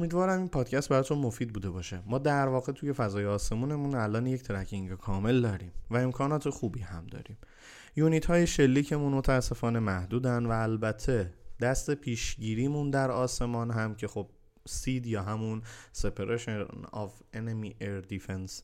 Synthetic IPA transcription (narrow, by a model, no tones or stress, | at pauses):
omiːd̪vɒːɾæminpʰɒːd̪cʰæst̪̚bæɾɒːt̪ʰunmo̞fiːd̪̚buːd̪e̞bɒːʃemɒːd̪æɾvɒːɣe̞t̪ʰuje̞fæzɒːjeɒːse̞muːne̞munælʔɒːnject̪ʰeɾæcʰiŋɟokʰɒːme̞ld̪ɒːɾiːmvæe̞mkʰɒːnɒːt̪ʰe̞xuːbiːhæmd̪ɒ̰ːɾiːm | juːnit̪hɒːje̞ʃe̞lːiːcʰe̞munmo̞t̪ʰæːsːe̞fɒːne̞mæhd̪uːd̪ænd̪væːlbæt̪ʰːe̞d̪̥æst̪e̞pʰiːʃɟiːɾiːmund̪æɾɒːse̞mɒːnɦæmcʰe̞xo̞b̥̚ | siːd̪jɒːɦæmunse̞pʰeɾʔeʃenɒ̰venemiʔeɾd̪ifens